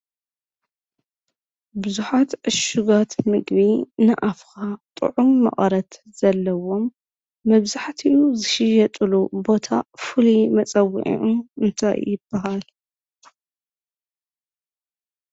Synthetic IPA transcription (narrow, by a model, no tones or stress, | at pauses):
bɨzuħat̪ʕɨʃuɡat̪mɨɡβinɨʔafkat̪ʼɨ̰ʕumːɐ̰χʼɐɾɐt̪ | z̥ɐlːɐwo̞mː | ɐβzaħt̪ʰiʔuzɨʃɪjɐt̪ʼɨlubo̞t̪ʰafɨlimɐt͡sʼɐwːḭʕḭʕumɨnt̪ʰa̰jṵjɪb̥ːɐɦal